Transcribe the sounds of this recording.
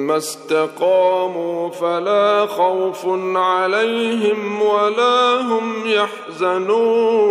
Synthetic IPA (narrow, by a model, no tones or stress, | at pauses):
mast̪ɑqɑːmuːfalaːxawfʕalajɦɪmwalaːɦʊmjaħ | zanuː